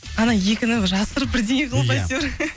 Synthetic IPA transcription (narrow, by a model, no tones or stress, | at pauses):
ɑnɑjekʲɪnɪŋʒɑsəɾbɪɾd̪eɪqʰəlˠɑjt̪ɾ